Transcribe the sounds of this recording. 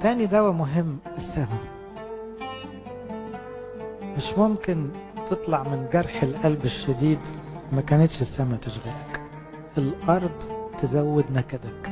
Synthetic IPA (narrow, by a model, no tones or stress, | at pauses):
t̪æːnid̪æwæmʊɦemː | esːæmæ | meʃmomkɪn | t̪et̪ˤlɑʕmɪnɡɑɾˤħelʔælbeʃːæd̪iːd̪mækæːnet̪ʃɪsːæmæt̪eʃɣælæk | elʔɑɾˤd̪ˤt̪ezæwːɪd̪nækæd̪æk